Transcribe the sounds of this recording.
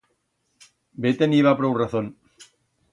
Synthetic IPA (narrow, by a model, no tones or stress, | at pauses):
bet̪eniβapɾouraθon